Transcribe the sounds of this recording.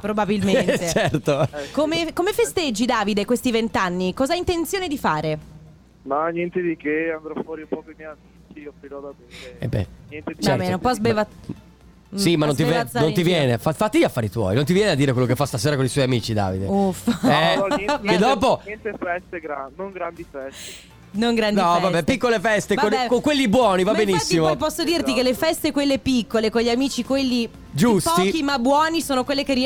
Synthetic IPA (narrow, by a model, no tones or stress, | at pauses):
pɾobabilment̪et͡ʃɛrt̪okomekomefest̪ed͡ʒːid̪aːvid̪ekwest̪ivent̪anːikɔːzaaint̪ent̪sjoːned̪ifaːɾe | manjɛnt̪ed̪ikeand̪ɾɔfwɔːɾiupɔːkoimjɛjamiːt͡ʃiofɾiɾɔd̪ab̪iːɾeḛbɛ̰njɛnt̪eit͡ʃɛɾbɛnompɔzbeva | simanont̪ivɛnõnt̪ivjɛːnefafat̪ːiʎafːaːɾit̪wɔ̰jnõnt̪̬ivjɛːnead̪iːɾekwelːokefːast̪aseːɾakoniswɔjamiːt͡ʃid̪a̰ːvḭd̪eufɛed̪ɔpoɛnt̪efɛst̪eɡɾanoŋɡɾand̪ifɛs | noŋɡɾandniɔvabɛpikːolefɛst̪eokoŋkwelːibwɔːnivabenisːimopɔsːod̪iːrt̪ikelːefɛst̪ekwelːepikːolekonʎiamiːt͡ʃikwelːi | d͡ʒusptɔikimabwɔːnisoːnokwelːekeɾi